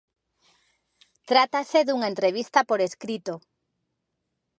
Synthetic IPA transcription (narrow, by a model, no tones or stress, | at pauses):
t̪ɾat̪aseðuŋaent̪ɾeβ̞ist̪apoɾeskɾit̪o